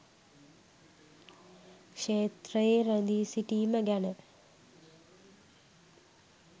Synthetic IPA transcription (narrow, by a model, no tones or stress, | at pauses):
kʂeːt̪ɾɐjeɾɐnd̪isiʈimɐɡanɐ